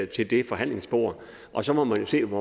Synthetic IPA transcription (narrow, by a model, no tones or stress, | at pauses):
t͡sʰe̝ld̥e̝fɒ̽ɦæn̰le̝ŋsb̥o̝̰ːɐ̰ | ʔɒ̽sɒ̽mɒ̽mænjo̝se̝̰ːʋɒ